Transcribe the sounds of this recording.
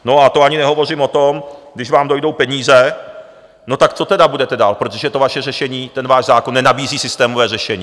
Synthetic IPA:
no̞at̪oaɲɪnɛɦo̞vo̞r̝ɪmo̞t̪o̞mɡdɪʒvaːmdo̞jdo̞wpɛɲiːzɛ | no̞t̪akt͡sot̪ɛdabudɛt̪ɛdaːlpɾot̪oʒɛt̪o̞vaʃɛr̝ɛʃɛɲiːt̪ɛnvaːʒzaːkonːɛnabiːziːsɪst̪ɛːmovɛːr̝ɛʃɛɲiː

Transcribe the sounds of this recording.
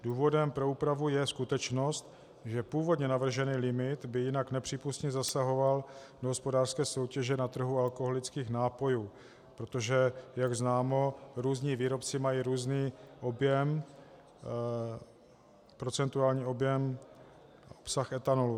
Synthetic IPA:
duːvo̞dɛmpɾo̞uːpɾavujɛskut̪ɛt͡ʃno̞st̪ | ʒɛpuːvo̞dɲɛnavr̩ʒɛniːlɪmɪt̪bɪjɪnaknɛpr̝̥iːpust̪ɲɛzasaɦo̞valdoɦospo̞daːr̥skɛːso̞wcɛʒɛnat̪r̩ɦualkoɦolɪt͡skiːxnaːpo̞juː | pɾo̞t̪o̞ʒɛjaɡznaːmo̞ɾuːzɲiːviːɾo̞pt͡sɪmajiɾuːzniːʔo̞bjɛm | pɾo̞t͡sɛnt̪uaːlɲiːo̞bjɛm | opsaxɛt̪anolu

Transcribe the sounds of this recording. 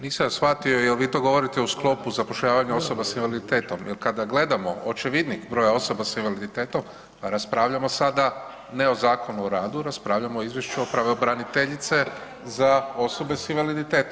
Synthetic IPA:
niːsajosfat̪ioijelʋit̪o̞ɡo̞ʋo̞ɾit̪ɛusklˠo̞puzapo̞ʃʎaːʋaɲeo̞so̞basinʋalid̪it̪e̞ːt̪o̞mjelkad̪aɡle̞d̪amo̞ot͡ʃeʋid̪nikbɾo̞ːjao̞so̞basinʋalid̪it̪e̞ːt̪o̞m | paɾaspɾaːʋʎamo̞sad̪a | ne̞o̞zaːko̞nuoɾaːd̪uɾaspɾaːʋʎamoizʋjeʃt͡ʃuopɾaʋeobɾanit̪eʎit̪se̞ | zao̞so̞be̞sinʋalid̪it̪e̞ːt̪om

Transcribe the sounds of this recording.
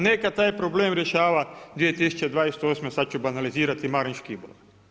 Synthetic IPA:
nekat̪aːjpɾoble̞ːmɾjeʃaːʋad̪ʋijet̪isu̥t͡ɕed̪ʋaːjese̥t̪oːsmesad̪̚t͡ʃubanaliziːɾat̪imaɾiɲʃkiibo̰

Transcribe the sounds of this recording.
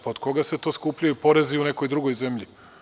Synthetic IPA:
pod̪ko̞ɡase̞t̪o̞ːskupʎʲajupo̞ɾeziuneko̞jd̪ɾuɡo̞jzemʎi

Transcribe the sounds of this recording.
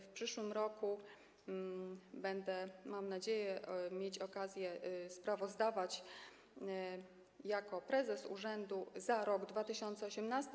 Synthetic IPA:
fpʂɘʂwɘmɾɔku | bɛnd̪ɛmamnad͡ʑejɛmʲjet͡ɕɔkazʲjɛspɾavɔzd̪avat͡ɕ | jakɔpɾɛzɛsṵʐɛnd̪uzaɾɔɡd̪vat̪ɘɕɔnt̪sɛɔɕɛmnast̪

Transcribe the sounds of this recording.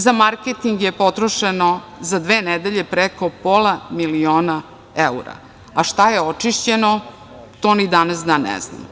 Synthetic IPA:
zamaɾket̪iŋɡjepo̞t̪ɾoʃenozad̪ʋeːnɛd̪eʎepɾeko̞polamilioːna | euɾa̰ | aʃt̪ajeot͡ʂiʃt͡ɕeno | t̪oːnid̪anasd̪aːnːɛ̰zna̰m

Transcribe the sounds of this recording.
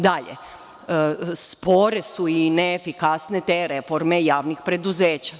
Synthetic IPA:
d̪aʎḛ | spo̞ɾesuineːfikasnet̪eɾefo̞ɾme̞jaːʋnixpɾe̞d̪uzeːt͡ɕa

